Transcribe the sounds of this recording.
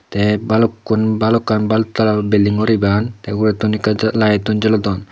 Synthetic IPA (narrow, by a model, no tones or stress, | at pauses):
t̪ɛbalɔkːunbalɔkanbalt̪ːalabelːiŋɔɾibant̪ɛɡuɾet̪unikalajet̪und͡ʒɔlɔd̪ɔn